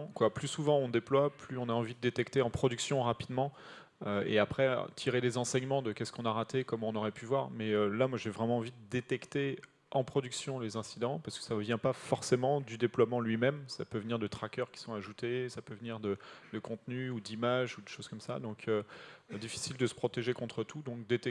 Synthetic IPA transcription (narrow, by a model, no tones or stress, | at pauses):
kwaplysuvɑ̃ɔ̃d̪eplwaplyɔ̃naɑ̃vid̪əd̪et̪ɛkt̪eɑ̃pχɔd̪yksjɔ̃ʁapid̪mɑ̃ | øḛapχɛ̰t̪ʰiʁed̪ezɑ̃sɛɲmɑ̃d̪əkʲɛskɔ̃naʁat̪ekɔmɔ̃nɔʁɛpyvwaʁmɛølamwaʒevʁɛmɑ̃ːvid̪əd̪et̪ɛkt̪e | ʔɑ̃pχɔd̪yksjɔ̃lezɛ̃sid̪ɑ̃paʁskə̥savjɛ̃pafɔʁsemɑ̃d̪yd̪eplwamɑ̃lɥimɛmsa̰pøvniʁd̪ət̪χakʲœʁkʲi̥sɔ̃aʒut̪esapøvniʁd̪əd̪̥əkɔ̃t̪nyud̪imaʒud̪eʃoz̥kɔmsa̰d̪ɔ̃kʰød̪ifi̥sild̪əsə̥pχɔt̪eʒekɔ̃t̪χət̪ud̪ɔ̃k̚d̪et̪ɛ